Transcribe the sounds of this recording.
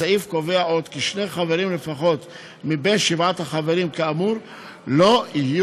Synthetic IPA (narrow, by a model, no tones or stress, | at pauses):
aifko̞ve̞aʔo̞d̪kiʃneχaveɾimle̞faχo̞t̪ | mibenʃivat̪haχave̞ɾimkaamuɾ | lo̞ihiju